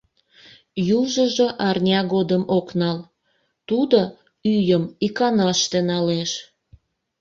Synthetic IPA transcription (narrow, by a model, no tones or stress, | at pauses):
juʒəʒoʔɑrnʲɑɣod̪əmoknɑl | t̪ud̪o | yjəmikɑnɑʃt̪enɑleʃ